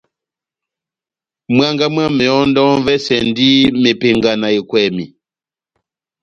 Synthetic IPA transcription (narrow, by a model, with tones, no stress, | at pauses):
mwa˦ŋɡa˦mwa˦mɛ˨ɔ˦ndɔ˦nvɛ˦sɛ˨ndi˦me˨pe˨ŋɡa˨na˨i˨kwɛ˨mḭ˨